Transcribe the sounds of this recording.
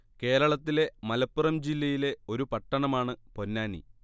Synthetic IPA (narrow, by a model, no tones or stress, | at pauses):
ke̞ːɾɐɭɐt̪ːile̞mɐlɐpːurɐmd͡ʑilːɐjile̞o̞ɾupɐʈːɐɳɐmaːɳɨpo̞nːaːnḭ